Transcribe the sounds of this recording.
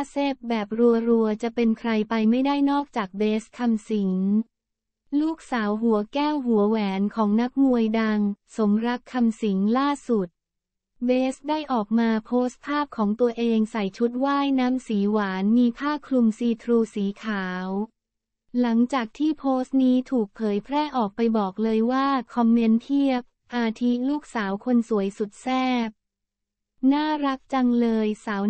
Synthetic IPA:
seː˥˩p̚bɛː˨˩p̚ɾu˧ɐɾu˧ɐt͡ɕa˨˩pe˧nkʰɾa˧jpa˧jma˥˩jdaː˥˩jnɔː˥˩k̚t͡ɕaː˨˩k̚beː˦˥skʰa˧msi˩˦ŋ | luː˥˩k̚saː˩˦wɦu˩˦ɐkɛː˥˩wɦu˩˦əwɛː˩˦nkʰɔː˩˦ŋna˦˥k̚mu˧əjda˧ŋso˩˦mɾa˦˥kʰːa˧msi˩˦ŋlaː˥˩su˨˩t̪̚ | beː˦˥sdaː˥˩jʔɔː˨˩k̚maː˧pʰoː˦˥st̪̚pʰaː˥˩p̚kʰɔː˩˦ŋt̪u˧ɐʔeː˧ŋsa˨˩jt͡ɕʰu˦˥t̪̚waː˥˩jnaː˦˥msiː˩˦waː˩˦nmiː˧pʰaː˥˩kʰlu˧msiː˧t̪ʰɾuː˧siː˩˦kʰaː˩˦w | la˩˦ŋt͡ɕaː˨˩k̚t̪ʰiː˥˩pʰoː˦˥st̪̚niː˦˥t̪ʰuː˨˩k̚pʰɤː˩˦jpʰɾɛː˥˩ʔɔː˨˩k̚pa˧jbɔː˨˩k̚lɤː˧jwaː˥˩kʰɔ˧mːe˧˥np̪ʰi˥˩əp̚ʔaː˧t̪ʰi˦˥luː˥˩k̚saː˩˦wkʰo˧nsu˨˩˦əjsu˨˩t̪̚sɛː˥˩p̚ | naː˥˩ɾa˦˥k̚t͡ɕa˧ŋlɤː˧jsaː˩˦w

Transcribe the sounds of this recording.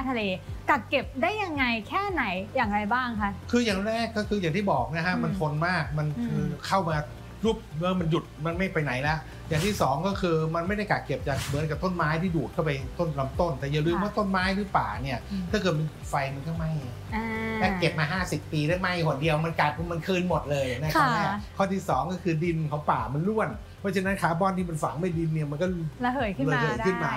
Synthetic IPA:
a˥˩t̪ʰa˧leː˧ka˨˩p̚ke˨˩p̚daː˥˩jːa˧ŋːa˧jkʰɛː˥˩na˩˦jjaː˨˩ŋɾa˧jbaː˥˩ŋkʰa˦˥˩ʔkʰɯː˧jaː˨˩ŋɾɾɛː˥˩kːɔ˥˩kʰɯː˧jaː˨˩ŋt̪ʰiː˥˩bɔː˨˩k̚na˦˥kʰa˦˥ma˧nt̪ʰo˧nmaː˥˩ma˧nkʰɯː˧kʰa˥˩wmaː˧ | ɾuː˦˥˩p̚mɯ˦˥ma˧nju˨˩t̪̚ma˧nma˥˩jpa˧jna˩˦jlɛ˦˥ʔ | jaː˨˩ŋt̪ʰiː˥˩sɔː˩˦ŋkɔː˥˩kʰɯː˧ma˧nma˥˩jda˥˩jka˨˩ke˨˩p̚t͡ɕa˨˩k̚mɯ˨˩˦nka˨˩p̚t̪o˥˨nmaː˦˥jt̪ʰiː˥˩duː˨˩t̪̚kʰa˥˩pa˧jt̪o˥˩nla˧˦mt̪o˥˩nt̪ɛ˨˩ja˨˩lɯː˧mwaː˥˩t̪o˥˩nmaː˦˥jt̪ʰɯː˧˥pa̰ː˨˩ni˥˩ɐaː˥˩kɤː˨˩t̪̚ma˧˨˩t̚fa˧jma˧nkɔ˥˩ma˥˩j | lɛ˦˥ke˨˩p̚maː˧ɦaː˥˩si˨˩pːiː˧ɾa˦˥˩ma˥˩jkʰu˨˩di˧əwma˧nkaː˨˩t̪̚kːma˧nkʰɯː˧nmo˨˩t̪̚lɤː˧jna˦˥kʰa˦˥ni˥˩kʰɔː˥˩t̪ʰiː˥˩sɔː˩˦ŋkɔː˥˩kʰɯː˧di˧nkʰa˨˩˦wpaː˨˩ma˧nlu˥˩ən | pʰɔː˦˥t͡ɕʰa˧nːa˦˥nkʰaː˩˦bɔː˧˥˨nt̪ʰiː˥˩ma˧nfa˨˦ŋma˥˩jdi˧nːi˥˩ɐma˧nkɔ˥˩˧hːlla˧ɤː˨˩˦kʰɯ˥˩nmaː˧

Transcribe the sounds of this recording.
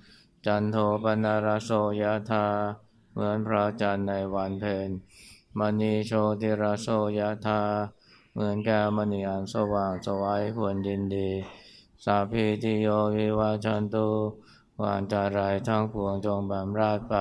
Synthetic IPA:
t͡ɕa˧nt̪ʰoː˧pa˧nːaː˧ɾa˦˥soː˧ja˦˥t̪ʰaː˧ | mɯ˧˥ənpʰɾa˦˥t͡ɕa˧nːa˧jwa˧npʰeː˧nma˧niː˧˩t͡ɕʰoː˧t̪ʰiː˧˩ɾa˦˥soː˧ja˧˥t̪ʰaː˧ | mɯ˧˦ənkɛː˧˩ma˧niː˧˩ʔa˧nsa˧waː˨˩ŋsa˧wa˦˥jkʰu˧ənji˧ndiː˧ | sa˧˦pʰiː˧˩t̪ʰiː˧˩joː˧˥kwi˧˥waː˧˩˨t͡ɕʰa˧˥nt̪uː˧˩ | wa̰ː˧˩ŋt͡ɕa˧˩ɾa˧˩jt̪ʰa˥˩ŋpʰu˧˩əŋt͡ɕo˧ŋbɛː˨˩mɾaː˥˩t̪̚pa˧˩

